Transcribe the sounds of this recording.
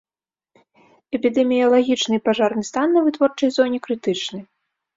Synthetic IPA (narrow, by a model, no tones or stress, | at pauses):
ɛpʲid̪ɛmʲijɐlˠaɣʲit͡ʂnɨjpaʐarnɨst̪anːɐvɨt̪vɔrt͡ʂɐjzɔnʲɛkɾɨt̪ɨt͡ʂnɐj